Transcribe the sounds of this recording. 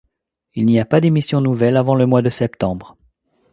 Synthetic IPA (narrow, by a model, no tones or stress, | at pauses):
ilniapad̪emisjɔ̃nuvɛlavɑ̃ləmwad̪əsɛpt̪ɑ̃bʁ